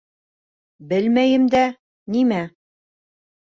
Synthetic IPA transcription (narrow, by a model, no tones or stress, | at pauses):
bɘlmæjɘ̆md̪æ | nimæ